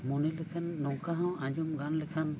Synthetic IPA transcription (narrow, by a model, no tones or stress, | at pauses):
munilɛkʰanːɔwkaɦɔ̃wãɲd͡ʒumɡanlɛkʰan